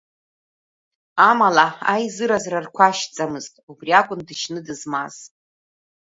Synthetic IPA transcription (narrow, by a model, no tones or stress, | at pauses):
amalaa̰jzɨɾazrarkʷʰaʃt͡sʼamɨztʼubriakʷʼʊndɨʃnɨdɨzmaz̥